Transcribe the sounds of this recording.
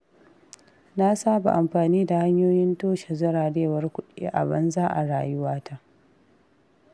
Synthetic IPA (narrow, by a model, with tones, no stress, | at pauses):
na˦saː˦ba̰˨ʔa˨mɸaː˨niː˦da˨ha˦ɲjoː˦jɪ˦ntoː˦ʃe˨zɐ˦ɾaː˨ɽeː˦˨wɐ˦rkʷʊ˦ɗḛː˦ʔa̰˨bɐ˦nzaː˦ʔa̰˨ɽaː˨jʊ˦waː˦ta˦ʔ